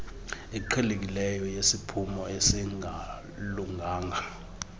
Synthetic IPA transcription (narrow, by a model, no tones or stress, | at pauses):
ɛǃʰɛlek̬ilɛjɔjesipʰumɔesiŋa | luŋɡʱaːŋɡʱa